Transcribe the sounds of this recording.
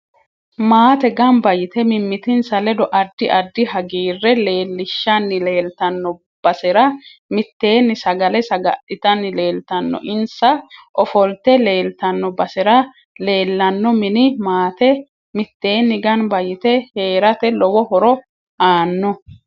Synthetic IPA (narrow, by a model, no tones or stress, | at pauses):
maːt̪ɛɡɐnbɐjɪt̪ɛmɪmːɪt̪ɪnsɐlɛd̪ɔʔɐd̪ːɪʔɐd̪ːɪɦɐɡiːrːɛle̞ːlːɪʃːɐnːɪle̞ːlt̪ɐnːɔ | b̥ɐsɛɾɐmɪt̪ːe̞ːnːɪsɐɡɐlɛsɐɡɐʔɪt̪ɐnːɪle̞ːlt̪ɐnːɔ̰ʔɪnsɐʔɔfɔlt̪ɛle̞ːlt̪ɐnːɔbɐsɛɾɐ | le̞ːlːɐnːɔmɪnɪmaːt̪ɛ | mɪt̪ːe̞ːnːɪɡɐnbɐjɪt̪ɛhe̞ːɾɐt̪ɛlɔwɔhɔɾɔ | aːnːɔ